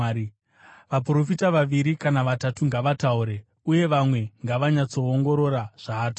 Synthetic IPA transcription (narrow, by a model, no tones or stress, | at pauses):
ʋapro̞fitaʋaʋiɾikanaʋatatuŋɡaʋatauɾe̞ | uje̞ʋamwe̞ŋɡaʋaɲat͡so̞ːŋɡo̞ɾo̞ɾaʐ̥aːto̥